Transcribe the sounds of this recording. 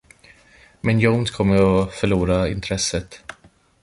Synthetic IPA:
mɛnjoʊnskʰɔmːəɾɔfœɭuːɾaɪ̰nt̪ʰɾɛsːət̪

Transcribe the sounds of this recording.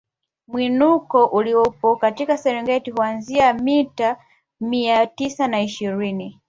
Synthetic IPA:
mwinukɔʔuliɔpɔkatikasɛɾɛŋɡɛtihuanziamita | miatisanaiʃiɾini

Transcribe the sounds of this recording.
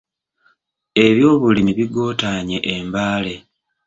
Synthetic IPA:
e̞βjo̞ːβulimiβiɡo̞ːtaːɲe̞ʔembaːle̞

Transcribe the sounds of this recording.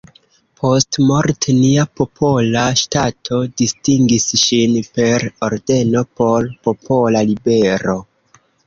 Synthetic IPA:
pʰo̞stmo̞ɾtʰniapo̞pʰo̞laʃtatʰo̞distiŋɡisʃinpe̞ɾo̞ɾde̞no̞po̞ɾpo̞pʰo̞lalibe̞ɾo̞

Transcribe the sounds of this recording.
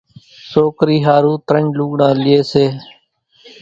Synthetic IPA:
soːkɾiːɦaːɾuːt̪ɾəɲluːɠɳãːlɪeːseː

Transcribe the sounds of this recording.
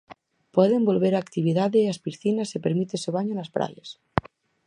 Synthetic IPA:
pweðembolβeɾaːkt̪iβ̞iðaðeaspisθinasepeɾmit̪eseβ̞aɲonaspɾa̰ʎas

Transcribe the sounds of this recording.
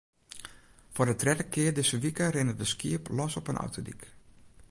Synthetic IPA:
fʊrdətrɛdəkʰɪədɪsəʋikərɪnəʋəskiəplɔsɔpənʔɔ̰wtodḭk

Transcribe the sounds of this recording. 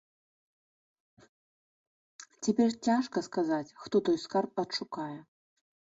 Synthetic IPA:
t͡sʲɛpʲɛrt͡sʲaʂkɐskazat͡sʲxt̪ɔt̪ɔjskarp̚ɐt̪ʂukajɛ

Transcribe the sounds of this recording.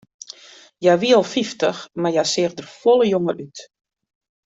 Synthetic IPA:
jaʋiəɔlˠfiftəxmarjasɪəxdərfolˠəjoŋərʔyt

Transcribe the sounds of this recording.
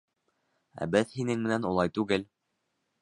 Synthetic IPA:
æ̰bɘðhinɘŋmɘ̆nænulˠɑjt̪ʉɡɘl

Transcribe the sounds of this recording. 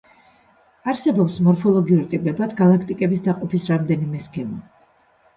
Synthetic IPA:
aɾsɛbɔpsmɔɾfɔlˠɔɡiuɾt̪ʼipʼɛbad̪ɡalˠakʰt̪ʼikʼɛbisd̪aqʼɔpʰisɾamd̪ɛnimɛsɡɛma

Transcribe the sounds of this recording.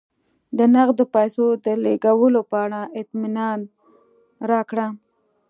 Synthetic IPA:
d̪ənaɣd̪opajsod̪əleɡawəlopəaɽaʔɪt̪mɪnɑn | ɾɑkɽa

